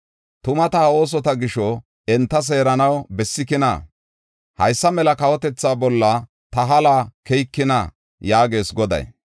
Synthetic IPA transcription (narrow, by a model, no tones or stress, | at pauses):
t̪ʊmɐt̪ɐo̞ːs̬ɔt̪ɐɡɪʃɔ | ɛnt̪ːɐs̬e̞ːɾɐnɐwbɛsːɪkɪnɐ̰ | hɐjsːɐmɛlɐkɐwɔt̪ɛt͡sːaːbɔlːɐ | t̪ɐɦɐlaːkɛjkːɪnɐ | jaːɡe̞ːsɡɔd̪ɐ̰j